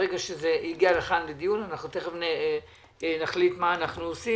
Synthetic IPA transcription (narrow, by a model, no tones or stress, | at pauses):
eɡaʃezeiɡialeχanled̪ijunanaχnut̪eχevne | naχlit̪maːnaχnuosi